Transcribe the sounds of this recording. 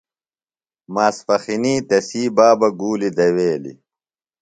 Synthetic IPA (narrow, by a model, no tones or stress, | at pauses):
maːsfɐxiniːt̪ɐsiːbaːbɐɡuːlid̪ɐweːlḭ